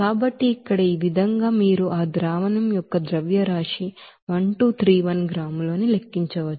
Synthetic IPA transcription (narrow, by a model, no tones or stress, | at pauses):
kaːbɐʈːiːkːɐɽɐiːʋid̪ʱɐŋɡaːmiːɾuʔaːd̪ɾaːʋɐnɐmjɔkːɐd̪ɾɐʋjɐɾaːʂi | ʋɐɳʈuːt̪ʰɾiːʋɐnɡɾaːmlo̞ːnile̞kːiɲt͡ʃɐʋɐt͡ʃːu